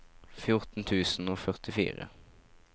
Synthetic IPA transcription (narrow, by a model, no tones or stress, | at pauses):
fjʊʁt̪n̩t̪ʰʉːsn̩oːfœʁt̪ɪfḭːʁə̰